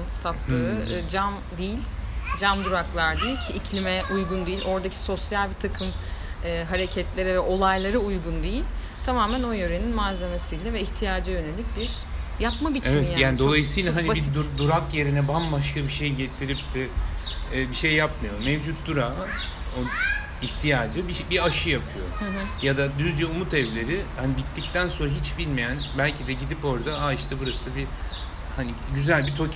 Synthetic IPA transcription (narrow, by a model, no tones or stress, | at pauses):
nsat̪lˠɯɯd͡ʒam | d̪ijilʲd͡ʒamd̪uɾaklˠaɾd̪iilʲcʰiːcʰlʲimɛʔujɡund̪ijilʲʔo̞ɾd̪acʰi̥so̞sjalʲbit̪ʰakʰɯmɯːɦaɾe̞cʰɛt̪lʲe̞ɾɛvɛʔo̞lˠajlˠaɾɯujɡund̪ejilʲ | t̪ʰamaːmæno̞jø̞ɾe̞ninmaze̞me̞sijlʲɛvɛiçt̪ʰijaːd͡ʒajø̞ne̞lʲːic̚biɾ̥ | japmabit͡ʃivɛnjaːjaːnd̪olˠajisiːlʲaɦanibid̪ud̪uɾakje̞ɾinɛbambaʃkabiʃejɟe̞t̪ʰiɾip̚t̪ʰɪː | biʃe̞jːapmɯjo̞mevd͡ʒut̪̚d̪uɾaː | o | içt̪ʰijaːd͡ʒɯbiʃbiaʃɯjapʰɯjo̞̰ɦjad̪ad̪yzd̪ijɛumut̪ɛvlʲe̞ɾihanibit̪ʰːic̚t̪ʰænso̞nɾaɦit͡ʃbilʲmijænbælʲcʰid̪ɛɟid̪ipo̞ɾd̪aaiʃt̪ʰɛbuɾasɯbi | hani | ɟyzælʲbit̪ʰo